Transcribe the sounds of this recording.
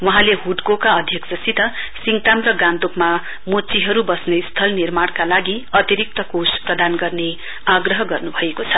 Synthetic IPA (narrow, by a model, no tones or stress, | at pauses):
wʌɦãleɦuʈkokaʌd̪ʱjʌksʌsit̪ʌ | siŋt̪amrʌɡãnt̪okma | mot͡siɦʌɾubʌsnest̪ʰʌlnirmaɽ̃kalaɡiʌt̪iɾik̚t̪ʌkosprʌd̪anɡʌrne | aɡrʌɦʌɡʌrnubʱʌekot͡sʰʌ